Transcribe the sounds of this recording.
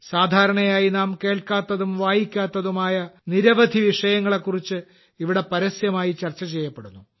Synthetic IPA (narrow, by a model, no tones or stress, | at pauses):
saːd̪ʱaːɾɐɳɐjaːjinaːmke̞ːɭkaːt̪ːɐðumʋaːjikʲːaːt̪ːɐðumaːjɐniɾɐʋɐd̪ʱiʋiʂɐjɐŋːɐɭe̞kːurit͡ɕːɨ | iʋiɽe̞pɐɾɐsjɐmaːjit͡ɕɐrt͡ɕːɐt͡ɕejːɐpːeɽunːu